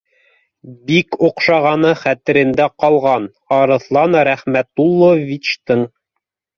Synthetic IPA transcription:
bikuqʃɑʁɑnɤχæt̪ɘ̆ɾɘ̆nd̪æqɑlˠʁɑn | ɑɾɤ̆θlˠɑnɾæχmæt̪ulˠːovʲit͡ɕt̪ɤɴ

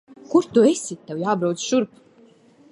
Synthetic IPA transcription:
kuɾt̪uesʲit̪̚ʲːewjaːbɾawt̪sʃuɾp

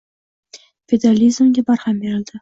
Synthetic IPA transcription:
fʲed̪ealʲizmɡʲebɑɾhɑmbeɾɪld̪ɪ

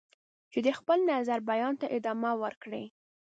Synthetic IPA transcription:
t͡ʃed̪əxpəlnazaɾbajɑnt̪aʔɪd̪ɑmawəɾkɽḛ

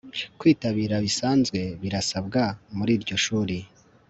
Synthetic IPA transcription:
kwiːtaβiːɾaβisaːnzɡwe̞βiɾasab̚ɡamuɾiːɾɟo̞ʃuːɾi

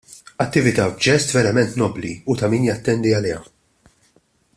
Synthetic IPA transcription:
ɐt̪ːɪvɪt̪ɐbd͡ʒɛst̪vɛɾɐmɛnt̪nɔblḭut̪ɐmiːnjɐt̪ːɛnd̪iɐlɛːɐ̰

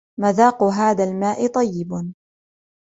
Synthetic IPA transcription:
maðaːqʊɦaːðalmaːʔɪt̪ˤɑjːɪb

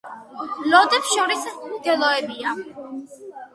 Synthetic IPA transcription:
lɔd̪ɛpsʃɔɾisɡ̥ɛlɔɛbia

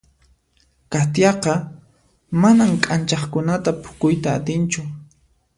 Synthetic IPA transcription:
kat̪jɑqɑ | manamkʼant͡ʃɑχkʊnat̪apʰʊ̥kʊjt̪aːt̪ɪnt͡ʃʊ

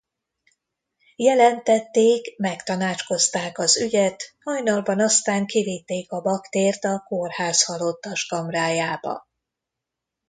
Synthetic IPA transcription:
jɛlɛnt̪ɛt̪ːeːkmɛkt̪ɒnaːt͡ʃko̞st̪aːkɒzyɟɛt̪hɒjnɒlbɒnɒst̪aːŋkivit̪ːeːkɒbɒkt̪eːrt̪ɒkorhaːshɒlo̞t̪ːɒʃkɒmraːjaːbɒ̰

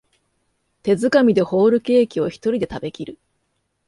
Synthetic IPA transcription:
t̪e̞zɨkamʲid̪e̞ho̞ːɾɯ̟ke̞ːkʲio̞çi̥t̪o̞ɾʲid̪e̞t̪abe̞kʲiɾɯ̟

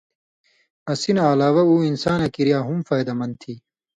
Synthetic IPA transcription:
ɐsinaːlaːwɐuːinsaːnɐkiɾijaːɦumfaːjd̪ɐmɐnd̪̚t̪ʰiː

